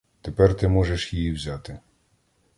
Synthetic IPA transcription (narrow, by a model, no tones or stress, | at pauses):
t̪epɛrt̪ɪmɔʒeʃjijiwzʲat̪ɪ